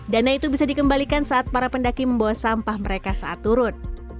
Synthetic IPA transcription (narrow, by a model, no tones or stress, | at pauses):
danait̪ubisadikəmbalikansaʔat̪̚paɾapəndakiməmbawasampahməɾekasaʔat̪ːuɾʊn̚